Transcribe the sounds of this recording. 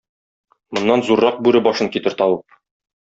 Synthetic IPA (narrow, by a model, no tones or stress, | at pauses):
mŏnːɑnzuɾːɑq̚bʉɾɘbɒʃɤŋkit̪ɘ̆ɾt̪ɒwɤ